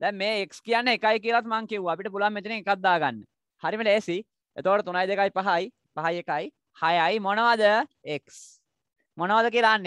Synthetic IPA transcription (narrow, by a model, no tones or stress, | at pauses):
d̪ɛmmeːekskijanːeekajk̬ijəlat̪maŋkiʋuaːpiʈəp̬ulʋamːet̪ineŋekat̪̚d̪aːɡanːə | haɾimeleːsi | ḛt̪okəʈət̪unajd̪ekajpaɦaj | paɦajekaj | hajajmonəʋad̪əeks | monəʋad̪ək̬iəlaːnːe